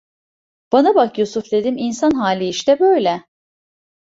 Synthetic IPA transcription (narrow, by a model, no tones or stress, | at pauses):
b̥anabakjusufd̪e̞d̪iminsanɦaːlʲiiʃt̪ɛbøjlʲɛ